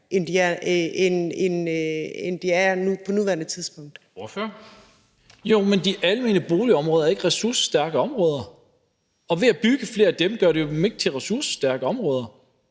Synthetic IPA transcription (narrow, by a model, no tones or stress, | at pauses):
ʔend̥iæɐenenend̥iæupʰɒ̽nuʋæɐnət͡sʰiðˠsb̥ɔ̽ŋ̰d̥ | ɔføɐ | jo̝mend̥iʔælme̝ːnəb̥o̝ːliɒ̽mʁɔːðˠɐæɐe̝ɡ̥əʁɛsuɐsə̥sːd̥æɐɡ̥əɒ̽mʁɔ̽ːð̞ˠɐ | ɒ̽ʋe̝æb̥yɡ̥əfle̝ːɐæd̥emɡ̥ɶɐɾe̝jo̝meɡ̥t͡sʰeʁɛsuɐsə̥sd̥æɐɡ̥əɒ̽mʁɔːð̞ˠɐ